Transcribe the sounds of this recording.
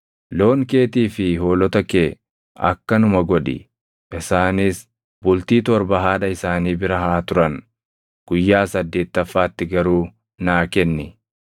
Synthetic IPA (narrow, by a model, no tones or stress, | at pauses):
lo̞ːŋke̞ːt̪iːfɪhoːlɔt̪ɐkeː | ʔɐ̰kːɐnʊmɐɡɔᶑɪ̰ | ʔɪsaːnɪːs | bʊlt̪iːt̪ɔɾbɐɦaːᶑɐɪsaːniːbɪɾɐɦaːt̪ʊɾɐn | ɡ̥ʊjːaːsɐd̪ːe̞ːt̪ːɐfːaːt̪ːɪɡɐɾuː | naːkɛnːɪ